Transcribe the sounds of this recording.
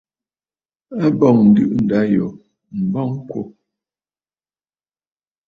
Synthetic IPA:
a˦bɔ˨ŋn̩˨dɯ˦ʔn̩˨da˨˦jɔ˨ | m̩˨bɔ˦ŋ˦kwo̰˦

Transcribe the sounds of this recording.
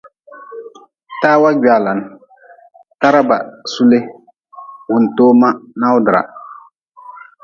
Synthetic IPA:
taː˦wa˦ɡa˨la˨n˦ | ta˦ɾa˦ba̰˨su˦le˦ | wʊ˨n˨toː˦ma˦na˦ʊ˦dɨ˨ɾa̰˨

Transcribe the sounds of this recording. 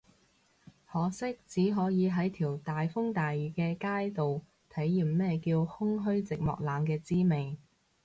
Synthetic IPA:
hɔː˨˩sɪ˥k̚t͡siː˨˥ɦɔː˨˥jiː˨˧ɦɐ˨˥jt̪ʰiː˨˩wt̪aː˨jfʊ˥ŋt̪aː˨jɥyː˨kɛː˧kaː˥jt̪o˨w | t̪ʰɐ˨˥jːiː˨mmɛː˥kiː˧whʊ˥ŋɦɵ˥ɥt͡sɪ˨k̚mɔ̰ː˨k̚laː˨˧mkɛː˧t͡siː˥me˨˩j

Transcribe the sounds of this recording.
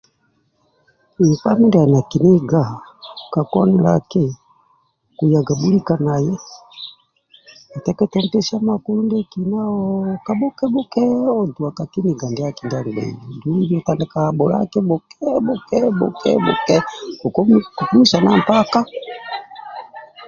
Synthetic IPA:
i˨ka˦mi˦nda˨a˨na˨ki˨ni˦ɡa˨ka˨kɔ˦nɛ˨la̰˨kɛ˦ | ku˨ja˨ɡa˨bu˦li˦ka˨na˨jɛ˦ | a˨tɛ˦kɛ˦tɛ˦n˦tɛ˦ʃa˦ma˨ku˦lu˦ndɛ˦ki˨na˦ɔ˦ka˦ɓɔ˦kɛ˦ɓɔ˦kɛ˦ɔ˦du˨a˨ka˨ki˦ni˨ɡa˨ndɛ˨˦a˦ki˨nda˨ni˨bɛ̰˨i˨du˦jɔ˦ta˦nda˨ka˨ɓɔ˨la̰˦kɛ˦bɔ˨kɛ˦bɔ˦kɛ˦bɔ̰˨kʰɛ̰˦bɔ̰˨kɛ˦ku˨˦ku˨ku˦mi˦ʃa˨na˦m˨pa˦ka˦

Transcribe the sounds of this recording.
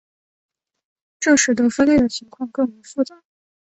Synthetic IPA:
ʈ͡ʂɤ˥˩ʂɻ̩˨˩d̪ə˧˥fə˥nljɛ˥˩d̪ə˩t͡ɕʰi˧˥ŋkʰwɑ˥˧ŋkɤ˥˩ŋme˧˥ɪfu˥˧˩t͡sa˥˩

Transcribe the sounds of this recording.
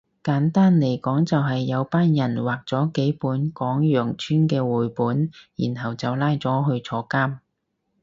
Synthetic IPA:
kaː˨˥nt̪aː˥nle˨˩jkɔː˨˥ŋt͡sɐ˨wɦɐ˨jːɐ˨˧wpaː˥njɐ˨˩nwaː˨k̚t͡sɔː˨˥ke˨˥jpuː˨˥nkɔː˨˥ŋjœː˨˩ŋt͡ʃʰyː˥nkɛː˧wuː˨˩jpuː˨˥njḭː˨˩nɦɐ˨wt͡sɐ˨wlaː˧˥jt͡sɔː˨˥ɦɵ˧ɥt͡sʰɔː˧kaː˥m

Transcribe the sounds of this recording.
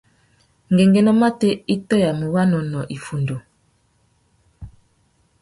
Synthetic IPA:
ŋɡe˨ŋɡɛ˨nɔ˦ma˦te˦i˦tɔ˦ja˨mu˨wa˦nɔ˨nɔ˨ʔi˨fu˨ndo˨

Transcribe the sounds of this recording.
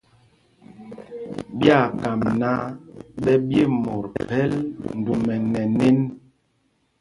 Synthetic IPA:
bja˦˨ka˨mna˦ɓɛ˦bje˦˨mo˨ɾpɛ˦ln̩˨du˨mɛ˨nɛ˨ne˦n

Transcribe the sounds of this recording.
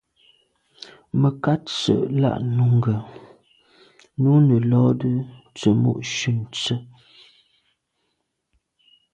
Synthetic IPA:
mə˨ka˦t͡sə̰˨ʔla̰˦˨ʔnu˨˦ŋɡə˨ | no˦nə˨lɔ˦də˦t͡sə˨mo̰˦˨ʔʃʉ˦˨n˨t͡sə˦

